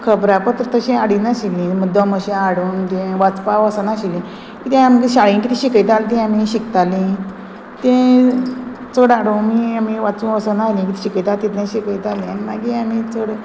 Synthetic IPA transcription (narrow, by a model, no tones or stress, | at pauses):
kʰəbɾapət̪əɾt̪əɕẽaɽinaɕilĩməd̪ɔməɕẽaɽuːnt̪ẽʋat͡spaʋəsənaɕilĩ | kit̪ẽamɡiɕaɭĩnʈit̪ĩɕikəjt̪alt̪̬ĩamĩɕikt̪alĩ | t̪ẽ | t͡səɽaɽomiamiʋat͡sũʋəsənalĩkit̪ɕikəjt̪at̪it̪nẽɕikəjt̪alĩanimaɡiamit͡soɽ